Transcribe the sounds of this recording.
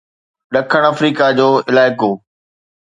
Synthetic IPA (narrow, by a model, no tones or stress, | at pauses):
ɗɐkʰəɽ̃ɐfɾiːkad͡ʑoːɪlaːɪkoː